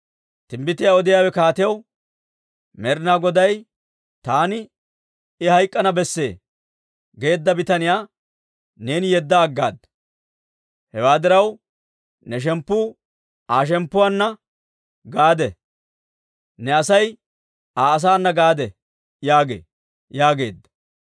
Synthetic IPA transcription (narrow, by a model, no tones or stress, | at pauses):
t̪ɪmbɪt̪ːɪjaɔd̪ɪjaːwɛkaːt̪ɪjɐw | mɛɾnaːɡɔd̪ɐj | t̪aːnɪ | ɪhɐjkʼːɐnɐbɛsːe̞̰ː | ɡe̞ːd̪ːɐbɪt̪ɐnɪjaː | ne̞ːnɪjɛd̪ːɐːɡːa̰ːd̪ | hɛwaːd̪ɪɾɐw | nɛʃ̬ɛmpːuː | aːʃ̬ɛmpːʊwanːɐ | ɡaːd̪ɛ | nɛɐsɐj | aːɐs̬aːnːɐɡaːd̪ɛ | jaːɡḛː | jaːɡe̞̰ːd̪ːɐ